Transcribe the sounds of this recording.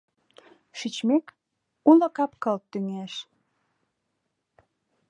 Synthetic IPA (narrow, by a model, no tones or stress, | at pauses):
ʃit͡ɕmek | ulə̆kɑpkəlt̪ːyŋeʃ